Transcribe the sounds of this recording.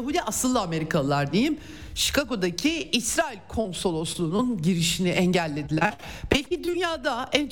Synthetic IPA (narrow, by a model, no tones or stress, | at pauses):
aɦud̪ʲiʔasɯlˠːɯame̞ɾikʰalˠɯlˠaɾd̪ejim | ʃi̥kaɡo̞d̪acʰiisɾaːilʲkʰo̞nso̞lˠoslˠuːnunɟiɾiʃiniʔɛɲɟælʲːe̞d̪ilʲæɾ̥pʰɛlʲcid̪ynjaːd̪aænt͡ʃ